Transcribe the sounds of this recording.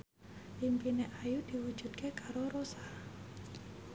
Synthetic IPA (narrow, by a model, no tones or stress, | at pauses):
ʔimpineʔajud̪̥i̤wud̥ʒ̥ṳd̪̚kʰekaɾoɾosa